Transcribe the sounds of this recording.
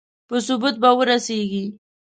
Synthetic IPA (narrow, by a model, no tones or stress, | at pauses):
pəsʊbut̪̚bawəɾaseɡi